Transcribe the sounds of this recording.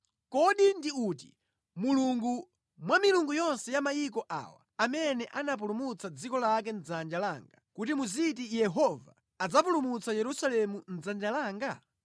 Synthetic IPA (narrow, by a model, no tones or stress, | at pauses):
kɔɗindiut̬i | muluŋɡu | mwamiluŋɡujɔnsɛjamajikɔʔa̰wa̰amɛnɛʔanap̬ulumut͡sad͡zikɔlak̬ɛnd͡zand͡ʒalaːŋɡakutimuzit̬ijɛɦɔva̰ | ad͡zapulumut͡sajɛɾusalɛmun̩d͡zand͡ʒalaːŋɡa